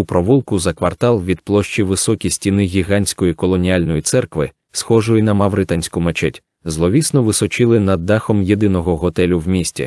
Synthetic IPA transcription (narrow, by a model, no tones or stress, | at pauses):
upɾɔʋulˠkʊzɐkʋɐrt̪ɑlˠʋʲid̪̚plˠɔʃt͡ʃiʋɪsɔkʲisʲtʲinɪɣʲiɦanʲsʲkɔjikɔlˠɔnʲialʲnɔjit̪sɛrkʋɪ | sxɔʒʊjinɐmɐwɾɪt̪anʲsʲkʊmet͡ʃɛtʲ | zlˠɔʋʲisnɔʋɪsɔt͡ʃɪlˠɪnɐd̪ːɑxɔmjed̪ɪnɔɦɔɦɔt̪ɛlʲʊwmʲisʲtʲḭ